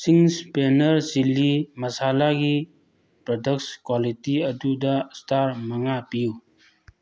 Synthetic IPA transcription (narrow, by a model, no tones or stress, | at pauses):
siŋspenəɾsilimɐsalaɡi | pɾɔdək̚skwalitiɐdudastʰaɾmɐŋapiju